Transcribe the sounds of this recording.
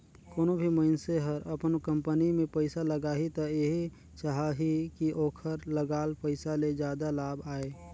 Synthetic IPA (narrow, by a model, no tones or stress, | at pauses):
koːnobʱiməɪnseɦəɾəpənkə̃mpənimẽpəɪsaləɡaːɦit̪ɔeɦi | t͡ʃaɦaɦikiʔoːkʰəɾləɡaːlpəɪsaled͡ʒjaːd̪alaːbaːe